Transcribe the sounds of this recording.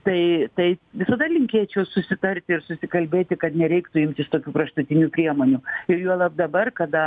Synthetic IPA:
t̪ɐɪt̪ɐɪʋʲɪsɐd̪ɐlʲɪŋʲkʲeːt͡ʃʲɛʊsʊsʲɪt̪ɐrʲt̪ʲɪɪrsʊsʲɪkɐlʲbʲeːt̪ʲɪkɐt̪nʲɛɾʲɛɪkt̪ʊɪmʲt̪ʲɪst̪oːkʲuːkɾɐʃt̪ʊt̪ʲɪnʲuːpʲɾʲiɛmoːnʲuɪjuɔlˠɐp̚d̪ɐbɐrkɐd̪ɐ

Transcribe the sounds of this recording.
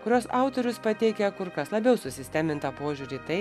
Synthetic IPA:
kʊɾʲuoːsɑʊt̪oɾʲʊspɐt̪ʲɛɪkʲɛkʊɾkɐslˠɐbʲɛʊsʊsʲɪsʲt̪ʲæːmʲɪnt̪ɐpoːʒʲuːɾʲiːt̪ɐɪ

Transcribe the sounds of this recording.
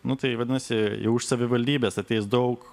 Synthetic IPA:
nʊt̪ɐɪʋɐd̪ʲɪnɐsʲɪjɛ̰ʊɪʃsɐʋʲɪʋɐlʲd̪ʲiːbʲeːsɐt̪ʲɛɪsd̪ɐʊk

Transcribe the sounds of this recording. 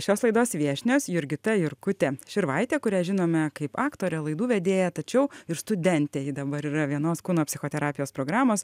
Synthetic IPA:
ʃʲoːslˠɐɪd̪oːsʋʲiɛʃʲnʲoːsjʊɾʲɡʲɪt̪ɐjʊɾkʊt̪ʲeʃʲɪɾʋɐɪt̪ʲeːkʊɾʲæːʒʲɪnoːmʲɛkɐɪpɑːkt̪oːɾʲɛlˠɐɪd̪uːʋʲɛd̪ʲeːjɛt̪ɐt͡ʃʲɛʊɪɾst̪ʊd̪ʲɛnʲt̪ʲejɪd̪ɐbɐɾiːɾɐʋʲiɛnoːskuːnoːpʲsʲɪxoːt̪ʲɛɾɑːpʲɪjoːspɾoːɡɾɑːmoːs

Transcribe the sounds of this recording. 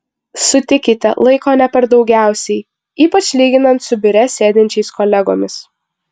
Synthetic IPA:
sʊt̪ʲɪkʲɪt̪ʲɛ̰lˠɐɪkoːnʲɛpʲɛɾd̪ɒʊɡʲæˑʊsʲɛɪ | iːpɐt͡ʃʲlʲiːɡʲɪnɐnt̪sʊbʲɪɾʲɛsʲeːd̪ʲɪnʲt͡ʃʲɛɪskɔːlʲɛɡoːmʲɪs

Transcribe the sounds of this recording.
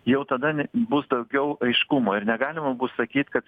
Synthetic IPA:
jɛʊt̪ɐd̪ɐbʊsd̪ɐʊɡʲɛʊʔɐɪʃkʊmoːɪɾnʲɛɡɑːlʲɪmɐbʊːssɐkʲiːt̪ʲkɐt̪

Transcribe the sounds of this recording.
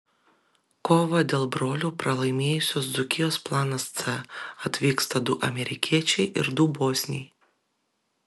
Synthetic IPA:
koːʋɐd̪ʲeːlˠbɾoːlʲuːpɾɐlˠɐɪmʲeːjʊsʲoːsd̪zʊkʲɪjoːsplˠɑːnɐst̪sɛɐt̪ʲʋʲiːkst̪ɐd̪ʊʔɐmʲɛɾʲɪkʲiɛt͡ʃʲɛɪʔɪɾd̪ʊboːsʲnʲɛj

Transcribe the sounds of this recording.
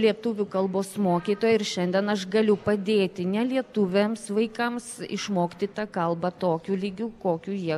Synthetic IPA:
lʲiɛt̪ʊʋʲukɐlˠboːsmoːkʲiːt̪oːjɛɪɾʃʲɛnʲd̪ʲɛnɐʃɡɐlʲʊpɐd̪ʲeːt̪ʲɪnʲɛlʲiɛt̪ʊʋʲemsʋɐɪkɐmsɪ̰ʃmoːkʲit̪ɪt̪ɑkɐlˠbɐt̪oːkʲuːlʲiːɡʲuːkoːkʲuːjiɛ

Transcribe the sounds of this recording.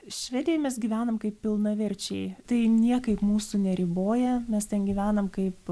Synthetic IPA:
ʃʲʋʲɛːd̪ʲɪjɛmʲɛsɡʲiːʋʲæːnɐmkɐɪpʲpʲɪlˠnɐʋʲɪɾʲt͡ʃʲɛɪt̪ɐɪnʲiɛkɐɪpmuːsunʲɛɾʲiboːjɛmʲɛst̪ʲɛnɡʲiːʋʲæːnɐmkɐɪp

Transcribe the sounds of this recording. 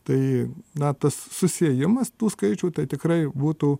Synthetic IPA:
t̪ɐɪnɐt̪ɐssʊsʲeɛjɪmɐst̪uːskɐɪt͡ʃʲuːt̪ɐɪt̪ʲɪkɾɐɪbuːt̪uː

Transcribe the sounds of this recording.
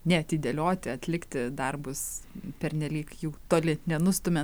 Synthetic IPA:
nʲɛt̪ʲiːd̪ʲɛlʲoːt̪ʲɪɐt̪ʲlʲɪkt̪ʲɪd̪ɐrbʊspʲɛɾʲnʲɛlʲiːkjuːt̪oːlʲɪnʲɛnʊst̪ʊmʲɛ

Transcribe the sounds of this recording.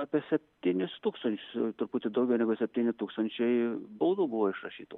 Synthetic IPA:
ɑːpʲiɛsʲɛpʲt̪ʲiːnʲɪst̪uːkst̪ɐnʲt͡ʃʲʊst̪ʊɾpuːt̪ʲɪd̪ɐʊɡʲɛʊnʲɛɡʊsʲɛpʲtʲiːnʲɪt̪uːkst̪ɐnʲt͡ʃʲɛɪbɐʊd̪uːbʊʋoːɪʃɾɐʃʲiːt̪o

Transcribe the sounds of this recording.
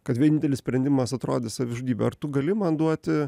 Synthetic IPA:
kɐt̪ʋʲiɛnʲɪnt̪ʲɛlʲɪsʲpʲɾʲɛnʲd̪ʲɪmɐsɐt̪ɾoːd̪ʲesɐʋʲɪʒʊd̪ʲiːbʲɛɐ̰ɾrt̪ʊɡɐlʲɪmɐnd̪uɔt̪ʲɪ

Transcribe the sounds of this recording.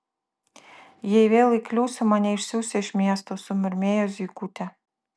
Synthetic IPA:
jejʋʲeːlʲˠiklʲuːsʲʊmɑnʲɛiʃsʲuːsʲeʃmʲiɛst̪osʊmʲɪɾʲmʲeːjos̬ʲikut̪ʲæ

